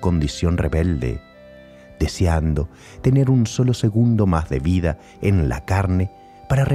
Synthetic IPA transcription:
ko̞nd̪isjo̞nreβeld̪ḛ | d̪eseand̪o̞ | t̪ene̞ɾunso̞loseɣund̪omazðḛβiða | enla̰kaɾne | paɾare

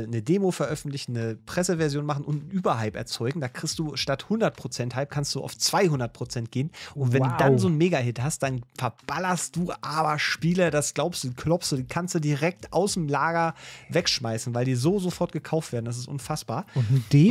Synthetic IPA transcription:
nədeːmofɛɐʔœfn̩tlɪçn̩nəpʁ̥ɛsəvɛɐzjoːnmaχn̩ʊntʔyːbɐɦaɪpɛ̰ɐt͡sɔʏɡŋ̩daːkʁ̥ɪstd̥uːʃtathʊndɐt̚pʁ̥ot͡sɛnthalp̚kʰanst̚d̥ṵːʔa̰ʊft͡sv̥aɪhʊndɐt̚pʁ̥ot͡sɛnt̚ɡ̥eːnʔʊntvɛnduːdanzoːnmeːɡaɦɪthast̚d̥anfɛɐb̥alɐstd̥uːʔaːbɐʃpiːlədasɡ̥laʊpstd̥uːdiːkʰlɔpstd̥uːdiːkʰanstd̥uːdiʁɛk̚ta̰ʊsemlaːɡɐvɛkʃmaɪsn̩vaɪldiːzoːzofɔɐtɡ̥əkʰaʊftv̥eːɐdn̩das̬ɪstʔʊ̰nfasb̥aːɐʊnd̥e

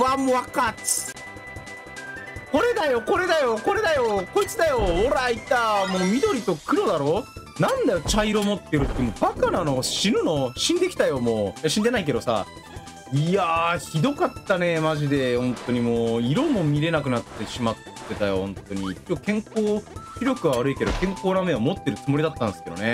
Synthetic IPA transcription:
βamoβakat͡sɨ̥ | ko̞ɾe̞d̪ajo̞ko̞ɾe̞d̪ajo̞ko̞ɾe̞d̪ajo̞ko̞it͡sɨd̪ajo̞oɾait̪amoːmʲid̪o̞ɾʲit̪o̞kɯ̟ɾo̞d̪aɾo̞ː | nãnd̪ajo̞t͡ɕaiɾo̞mo̞t̪ːe̞ɾɯt̪ːemobakanano̞ːɕiɾɯ̟no̞ɕĩnd̪e̞kʲi̥t̪ajo̞moːjaɕĩnd̪e̞naik̬e̞d̪o̞sa̰ | iaçid̪o̞kat̪ːane̞maʑid̪e̞hõ̞nt̪o̞ɲ̟imoːiɾo̞mo̞mʲiɾe̞nakɯ̟nat̪ːe̞ɕimat̪ːe̞t̪ajo̞̰hõ̞nt̪o̞ɲ̟it͡ɕːkẽ̞ŋkoːçʲiɾʲjo̞kɯ̟βaβaɾɯike̞d̪o̞̰kẽ̞ŋkoːname̞amo̞t̪ːe̞ɾɯ̟t͡sɨmo̞ɾʲid̪at̪ːãnd̪esɨ̥ke̞d̪o̰ne̞

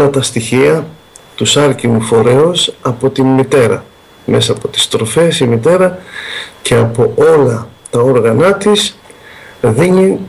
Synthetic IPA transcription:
ɐt̪ɐst̪içiɐ | t̪usɐɾcimufo̞ɾe̞osɐpo̞t̪immit̪e̞ɾɐ̰ | me̞sɐːpo̞t̪i̥st̪ɾo̞fe̞simit̪e̞ɾɐce̞ɐpo̞ʔo̞lɐt̪ɐo̞ɾɣɐnɐt̪is | ðiɲin

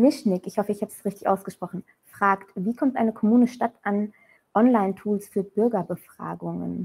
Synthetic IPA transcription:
mɪʃnɪkɪçhɔfəɪçhaːbəsʁɪçtɪçʔa̰ʊsɡ̥əʃpʁ̥ɔχn̩ | fʁ̥aːktviːkʰɔmtʔaɪnəkʰɔmuːnəʃtatʔan | ʔɔnlaɪntʰuːlsfyːɐbʏɐɡɐbəfʁ̥a̰ːɡʊŋə̰n

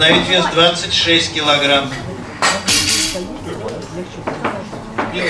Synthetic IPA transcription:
ɐjit̪vʲizd̪vat̪sɨtʲʂɛsʲt̚ʲkʲɪlˠɐɡɾam

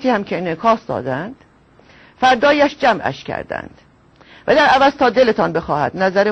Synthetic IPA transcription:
t̪ʰiːhæmkʰenekʰɒːsd̪ɒ̰ːd̪ænd̪̥ | fæɾd̪ɒːjæʃd͡ʒæmʔæ̰ʃcʲʰæ̰ɾd̪æ̰nd̪̥ | væd̪æɾævæzt̪ʰɒːd̪elet̪ʰɒnbe̞xɒːhæ̰d̪næzæɾe

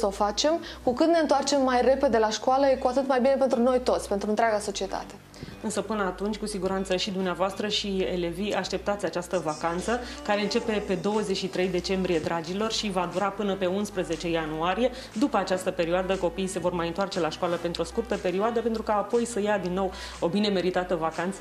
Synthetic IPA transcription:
səofat͡ʃe̞mkukɨt̪ne̞nt̪oart͡ʃe̞mːajre̞pe̞d̪e̞laʃkoaləjekuat̪ɨt̪majbine̞p̬e̞nt̪ɾuno̞jt̪o̞t̪sʲpe̞nt̪ɾuɨnt̪ɾʲaɡaso̞t͡ʃie̞t̪ʰa̰t̪e̞ | ɨnsəpɨnəat̪unt͡ʃʲkusiɡuɾant̪səʃid̪umneavoast̪ɾəʃiḛleviaʃt̪e̞p̚t̪at̪sʲat͡ʃast̪əvakant̪səkaɾe̞ɨnt͡ʃe̞pe̞pe̞d̪o̞wəzet͡ʃʲʃit̪ɾe̞jd̪e̞t͡ʃe̞mbɾije̞d̪ɾad͡ʒilo̞rʃivad̪uɾapɨnəpe̞unspɾəze̞t͡ʃe̞januaɾije̞ | d̪upəat͡ʃast̪əpe̞ɾioad̪əko̞pijse̞vo̞rmajɨnt̪oart͡ʃe̞laʃkaləpe̞nt̪ɾuo̞skurt̪əpe̞ɾioad̪əpe̞nt̪ɾukaːpo̞jsəjad̪inːo̞w | o̞bine̞me̞ɾit̪at̪əvakant̪sə

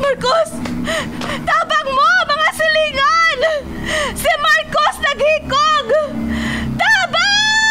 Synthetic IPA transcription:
maɹkos | t̪aːbaŋmomɐŋasɐliŋan | sɪmaɹkosnɐɡhɪkoŋ | t̪aːba

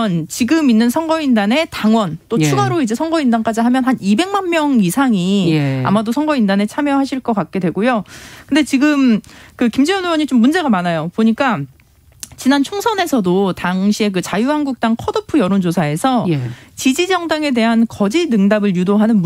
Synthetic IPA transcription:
nt͡ɕiɡɯminːɯnsʰʌŋɡʌindane̞taŋwʌnt͈ot͡ɕʰuɡaɾoid͡ʑe̞sʰʌŋɡʌindank͈ad͡ʑiɦamjʌnɦanibe̞ŋmanmjʌŋisʰaŋia̰madosʰʌŋɡʌindane̞t͡ɕʰamjʌɦaɕʰiɭk͈ʌk͈at̚k͈e̞dwe̞ɡojokkɯndet͡ɕiɡɯmkɯkimd͡ʑejʌnuwʌɲit͡ɕomːund͡ʑe̞ɡamanajopoɲik͈a | t͡ɕinant͡ɕʰoŋsʰʌne̞sʰʌdotaŋɕʰie̞k̬ɯt͡ɕajuɦanɡuk̚t͈aŋkʰʌdɯpʰɯjʌɾond͡ʑosʰae̞sʰʌt͡ɕid͡ʑid͡ʑʌŋdaŋe̞de̞ɦankʌd͡ʑinɯŋdabɯɭjudoɦanɯnm

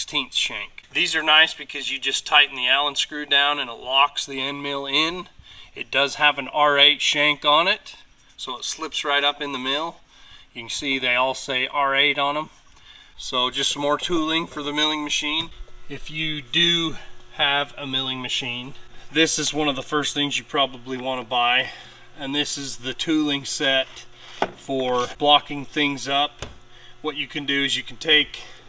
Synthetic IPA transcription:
stʰĩnθʃæ̃ŋkðizə˞naɪsb̥ɨkʰʌzjɨd͡ʒʌstʰaɪʔn̩ðiælˠə̃nskɹʉdãʊ̃nɨ̃nətˡlɑksðiɛ̃nmɪlˠɪ̃nɨt̚d̥ʌz̥əvɨ̃nɑɹeɪtʃæ̃ŋkn̩ɪt̚ | soʊətslɪpsɹaɪɾʌpɨ̃nðɨmɪlˠ | jɨkn̩siðeɪɔlˠseɪʔɑɹeɪɾn̩ə̃m | soʊd͡ʒʌstmɔɹtʰulˠɪ̃ŋfə˞ðɨmɪlˠɪ̃ŋmɨʃĩnɪfjɨdɨ | ɨvɨmɪlˠɪ̃ŋmɨʃĩnðɪsɨzwʌ̃nʌvðəfɜ˞sθɪ̃ŋzjɨpʰɹ̥ɑbəbliwɑ̃ñəbaɪ | ɨ̃nðɪsɨzðɨtʰʉlˠɪ̃ŋsɛt̚ | fə˞b̥lɑkɪ̃ŋθɪ̃ŋzʌp̚ | wʌt͡ʃɨkʰɨ̃ndɨɨzjɨkʰn̩tʰeɪk

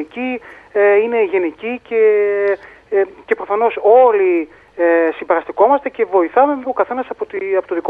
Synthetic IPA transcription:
icieine̞ʝe̞nicice̞ | ce̞pɾo̞fɐno̞so̞li | esimbe̞ɾɐst̪iko̞mɐst̪ece̞vo̞iθɐme̞mokɐθe̞nɐsɐpot̪ɐpot̪oðiko

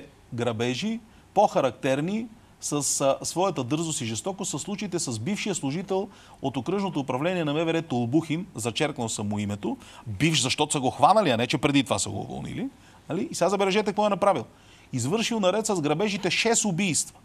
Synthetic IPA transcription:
ɡɾɐbɛʒi | poxɐɾɐkt̪ɛɾni | səssːvɔjɐt̪əd̪ɤɾzosiʒɛst̪ɔkosɐslˠut͡ʃəit̪ɛsɐzbifʃijəslˠʊʒit̪ɛlˠ | ot̪okɾɤʒnot̪oːpɾɐvlɛniɛnɐmɛvɛɾɛt̪olˠbuxinzɐt͡ʃɛɾknəlˠsɐmuimɛt̪obifʃzɐʃt̪ɔt̪osəɡoxvanɐliɐnɛt͡ʃɛpɾɛd̪it̪ovasɐɡo̰ʊ̰vo̰lˠnḭli | nɐliːsɛɡazɐbɛlɛʒɛt̪ɛkvɔɛnɐpɾavilˠ | izvɤɾʃilˠnɐɾɛt̪sɐzɡɾɐbɛʒit̪ɛʃɛsʊbijst̪və̥

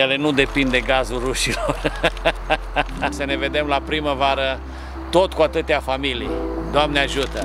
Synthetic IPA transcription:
jele̞nud̪e̞pind̪e̞ɡazulruʃilor | səne̞ve̞d̪e̞mlapɾiməvaɾə | t̪o̞t̪kuat̪ɨt̪eafamilijd̪oamneaʒut̪ə

